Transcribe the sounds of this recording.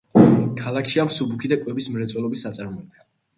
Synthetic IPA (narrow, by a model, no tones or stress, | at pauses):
kʰalˠakʰʃiamsubukʰid̪akʼwɛbismɾɛt̪sʼwɛlˠɔbisːat̪sʼaɾmɔɛb̥ɛ